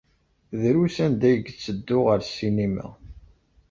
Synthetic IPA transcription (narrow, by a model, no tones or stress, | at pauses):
ðɾusænd̪æjəɡt͡sːəd̪ːʊʁəɾsːinimæ̰